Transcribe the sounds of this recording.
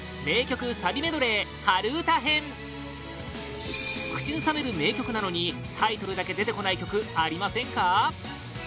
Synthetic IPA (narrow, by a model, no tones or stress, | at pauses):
me̞ːkʲo̞kɯ̟sabʲime̞d̪o̞ɾe̞haɾɯ̟ːt̪aɦẽ̞ɴ | kɯ̟̥t͡ɕinɯsame̞ɾɯ̟me̞ːkʲo̞kɯ̟nano̞ɲ̟i | t̪ʰait̪o̞ɾɯ̟d̪ake̞d̪e̞t̪e̞ko̞naikʲo̞kɯ̟aɾʲimasẽ̞ŋka